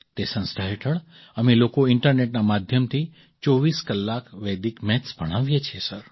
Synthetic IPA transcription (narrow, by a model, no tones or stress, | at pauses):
t̪esə̃nsʈ̪ʰaɦeʈʰəɭ | əmelokoɪɳʈəɾneʈnamad̪ʱjəmt̪ʰi | t͡ʃɔʋiskəlːakʋɛd̪ikmɛt̪sbʱəɽ̃aʋjet͡ʃʰesəɾ